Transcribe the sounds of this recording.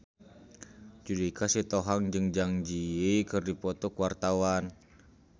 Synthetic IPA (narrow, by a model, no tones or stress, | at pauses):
d͡ʒudikasit̪oɦaŋd͡ʒɨŋd͡ʒaŋd͡ʒiikɨrdipɔt̪ɔkuwart̪awan